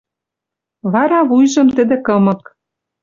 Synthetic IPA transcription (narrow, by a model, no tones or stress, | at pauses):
βɑɾɑβujʒɤ̆mt̪ɘ̆d̪ĕkɤ̆mɤ̆k̚